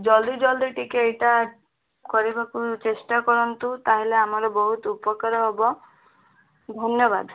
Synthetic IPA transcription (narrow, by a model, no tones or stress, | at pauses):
d͡ʒɔld̪id͡ʒɔld̪iʈikeejʈa | kɔɾibakut͡ʃesʈakɔɾɔnt̪ut̪aɦileamaɾɔbɔɦut̪upɔkaɾɔɦɔbɔ | d̪ʱɔnjɔbad̪